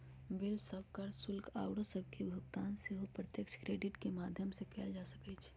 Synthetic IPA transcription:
bɪlsəbkəɾsʊlkaːʊɽəsəb̚ʱkebʱʊɡt̪aːnseɦopɾət̪jəkskɾeːɖɪʈkemaːd̪ʱjəmsekɛːld͡ʒaːsəkɛt͡ʃʰ

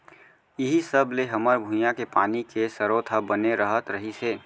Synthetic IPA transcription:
jɪɦisəbleɦɐməɾbʱũjãkepaːnikesɐɾoːt̪ʰabəneɾɐɦət̪ɾɐɦiseː

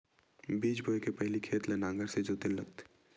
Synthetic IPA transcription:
biːd͡ʒboːekepɛɦlikʰeːt̪lenãːŋɡəɾsed͡ʒoːt̪elːək̚t̪

